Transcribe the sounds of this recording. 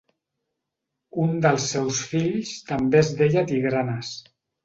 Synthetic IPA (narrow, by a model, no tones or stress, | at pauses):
und̪əlˠsːɛwsfiʎst̪əmbezðeʎat̪iɣɾanəs